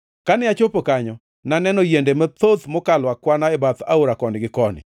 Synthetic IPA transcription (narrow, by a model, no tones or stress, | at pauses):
kanɪat͡ʃopokaɲɔ | nanɛnɔjendemat̪ot̪mɔkalwakwanaɛbat̪a̰oɾakɔnɪɡɪkɔnɪ̰